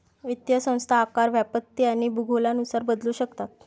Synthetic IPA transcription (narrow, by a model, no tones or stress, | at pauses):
ʋit̪jəsə̃w̃st̪ʰaːkaɾʋjapət̪ːiːañibuɡʱolanusaɾbəd̪luːɕəkt̪at̪̚